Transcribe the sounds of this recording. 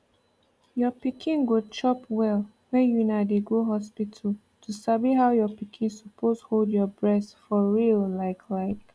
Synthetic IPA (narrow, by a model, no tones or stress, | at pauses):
jɔpikʰĩnɡot͡ʃɔpwɛlˠ | wɛ̃njunadeɡoɦɔspitʰəl | tʰusabiɦaʊjɔpikʰĩnsɔpʰosholdjɔbɹɛstfɔɹillaɪkʰlaɪk